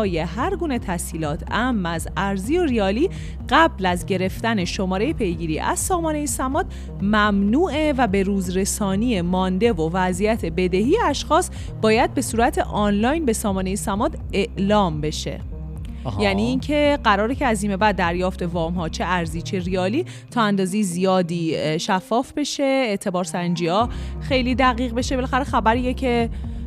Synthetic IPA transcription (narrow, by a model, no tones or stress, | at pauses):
je̞ɦæɾɡuːne̞t̪ʰæsiːlɒːt̪ʰæmːæzæɾziːoriɒːliː | ɢ̥æblæzɟe̞ɾe̞ft̪æne̞ʃo̞mɒːɾe̞jepʰe̞jɡiːɾiːʔæ̰z̥sɒːmɒːne̞jesæmɒːd̪̥ | mæmnuːʔevæbe̞ɾuːzɾe̞sɒːniːemɒːnd̪e̞vovæzijæt̪ʰe̞be̞d̪ehiːjeæʃxɒːs | b̥ɒːjæd̪̚be̞suːɾæt̪ʰe̞ʔɒːnlɒːjnbe̞sɒːmɒːne̞jesæmɒːd̪ | eʔlɒːmbe̞ʃe̞̰ | jæniːncʰe̞ɢæɾɒːɾecʰe̞æziːme̞bæd̪ːæɾjɒːft̪e̞vɒːmɦɒːt͡ʃʰe̞ʔæɾziːt͡ʃʰe̞rijɒːliː | t̪ʰɒːænd̪ɒːzejezijɒːd̪iːʃæfːɒːfbe̞ʃe̞eʔt̪ʰe̞bɒːɾsænd͡ʒiːɒːxe̞jliːd̪æɣiːɣbe̞ʃebelæxæɾexæbæɾiːjecʰe̞